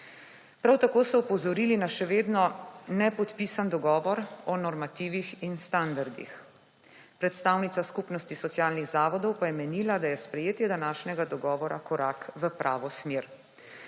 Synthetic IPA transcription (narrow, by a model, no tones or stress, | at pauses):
pɾawt̪akoːsɔɔpɔzɔɾiːlinaʃɛʋeːd̪nɔnɛpɔt̪piːsand̪ɔɡɔːʋɔɾɔnɔɾmat̪iːʋixinst̪and̪aɾd̪ḭx | pɾɛt̪st̪awnit̪saskupnɔst̪isɔt̪sijaːlniɣzaːʋɔd̪ɔwpajɛmɛniːlad̪ajɛspɾɛjeːt̪jɛd̪anaːʃnɛɡad̪ɔɡɔːʋɔɾakɔɾakʋəpɾʔaːʋɔsmeɾ